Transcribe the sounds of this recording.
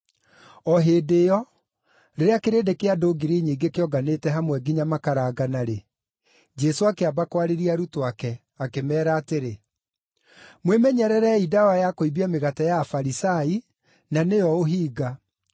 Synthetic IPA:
ɔɦeːdejɔ | ɾeɾeakeɾeːdekeadoːɡiɾiɲiːŋɡekeɔɡanetɛɦamwɛɡiɲamakaɾaɡanaɾe | d͡ʒɛsoakeabakwaɾeɾiaɾutowakɛ | akemɛːɾaːteɾe | mwemɛɲɛɾɛɾɛidawajakoibiameɣatajafaɾisai | nanejɔoɦiːɡa

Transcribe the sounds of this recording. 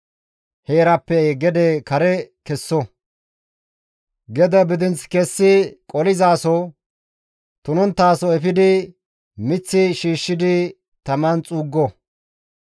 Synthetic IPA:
heːɾɐpːɛɡɛd̪ɛkɐɾɛkɛsːɔ | ɡɛd̪ɐbɪd̪ɪnt͡skɛsːɪkʼɔlɪzaːsɔ | t̪ʊnɔnt̪ːaːsɔɛfɪd̪ɪ | mɪt͡sːɪʃiːʃːɪd̪ɪ | t̪ɐmɐnt͡sʼuːɡːɔ

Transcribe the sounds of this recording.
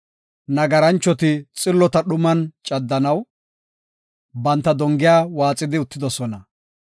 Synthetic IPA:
nɐɡɐɾɐnt͡ʃːɔt̪ɪt͡sʼɪlːɔt̪ɐɗʊmɐnt͡ʃʼɐd̪ːɐnɐw | bɐnt̪ːɐd̪ɔŋɡɪjaːwaːt͡sʼɪd̪ɪʊt̪ːɪd̪ɔsɔnɐ

